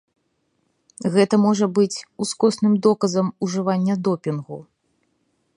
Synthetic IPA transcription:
ɣɛt̪ɐmɔʐɐbɨt͡sʲuskɔsnɨmd̪ɔkɐzɐmuʐɨvanʲːɐd̪ɔpʲinɣu

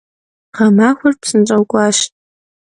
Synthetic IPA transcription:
ʁamaːxʷʊrpʰsɨnʈ͡ʂʼɐwkʷʼaʃtʼ

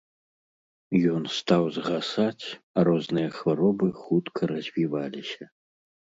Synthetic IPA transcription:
jɔnst̪awzɣasat͡sʲ | aɾɔznɨjɐxvaɾɔbɨxut̪kʰɐɾɐzʲvʲivalʲisʲɐ

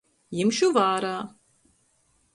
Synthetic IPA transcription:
jimʃuvaːɾaː

